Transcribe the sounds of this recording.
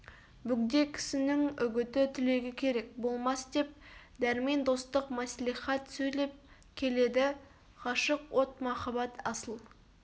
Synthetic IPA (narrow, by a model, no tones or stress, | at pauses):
bʏɡd̪e̞kʲʰɪ̥sɪnɪŋʏɡʲɪt̪ɪt̪ʰɪle̞ɡʲɪkʲʰe̞ɾe̞k̚bo̞lˠmɑsd̪e̞p̚ | d̪æɾme̞nd̪o̞st̪əqmæsliχɑt̪sɵjle̞p̚ | kʲʰe̞le̞d̪ɪ | qɑʃəqwo̞t̪mɑχɑbɑt̪ɑsəlˠ